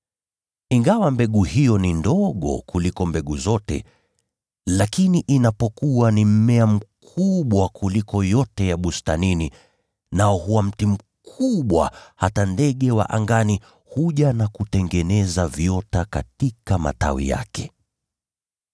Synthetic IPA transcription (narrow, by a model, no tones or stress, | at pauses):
iŋɡawambɛɠuhijɔnindɔɠɔ̰kulikɔmbɛɠuzɔtɛ̰ | lakiniʔinapɔkuwanim̩mɛam̩kʰuɓwakʰulikɔjɔtɛjaɓustanini | naɔhuwam̩tim̩ | kʰuɓwa̰hatandɛɠɛwa̰ʔaŋɡani | huʄanakutɛŋɡɛnɛzavjɔtakatikama̰ta̰wḭja̰kɛ